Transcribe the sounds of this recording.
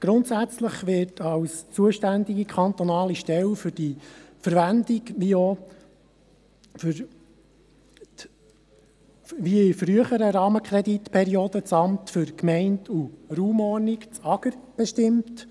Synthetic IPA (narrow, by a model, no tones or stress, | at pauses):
ɡ̥ɾʊnt̪sæt͡sləχʋɪtʰɑwst͡suəʃtænd̪iɡikʰɑnt̪ɔnɑːliʃtɛlfʏɾd̥ifəɾʋændikʋio | fɾ | ʋiɪfɾyəχəɾəɾɑːməkʰɾɛd̪it̪pʰɛɾioːd̥̪ət͡sɑmtfʏɾkmɛɪntʰuruːmɔɾnikt͡sɑɡəɾb̥ɛʃtɪmt